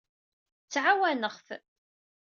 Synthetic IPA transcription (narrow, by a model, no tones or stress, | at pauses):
t͡sːʕawænəχf